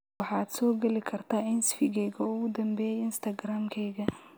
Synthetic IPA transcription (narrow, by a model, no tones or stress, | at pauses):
ɑħɑːd̪sɔːɡɐlɪkʰɐrt̪ʰaːɪnsfɪɡɛjɣɐʊɣʊd̪ɐmbɛjɪnst̪ʰɐɡɾaːmkʰɛjɣɐ